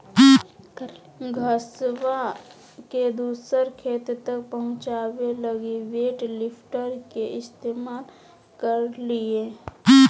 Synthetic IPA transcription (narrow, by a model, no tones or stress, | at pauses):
ɡʱəswa | ked̪uːsəɾkʰeːt̪t̪ək̚pəɦʊ̃t͡ʃaːweləɡiʋeːʈlɪpʰʈəɾkeʔɪst̪eːmaːl | kəɾlieː